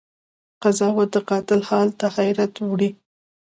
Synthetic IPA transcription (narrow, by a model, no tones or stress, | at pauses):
qazɑwad̪əqɑt̪ɪlhɑlt̪ahajɾat̪wɽi